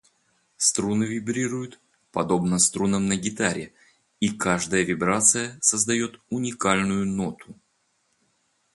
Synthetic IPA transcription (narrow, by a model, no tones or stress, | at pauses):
st̪ɾunɨvʲɪbɾʲiɾʊjʊt̪ | pɐd̪o̞bnəst̪ɾunəmnəɡʲɪt̪aɾʲɪ | ikaʐd̪əjəvʲɪbɾat̪sɨjəsəzd̪ɐjo̞t̪ʊnʲɪkalʲnʊjʊno̞t̪ʰʊ